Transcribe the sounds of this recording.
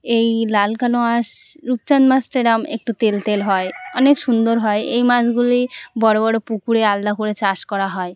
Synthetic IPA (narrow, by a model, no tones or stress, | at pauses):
ejlalkanoaʃɾup̚t͡ɕanmasʈeɾamḛk̚ʈut̪elt̪elɦɔeɔnekʃund̪oɾɦɔeejmad͡ʑɡulibɔɽobɔɽopukuɽeald̪akoɾet͡ɕaʃkɔɾaɦɔe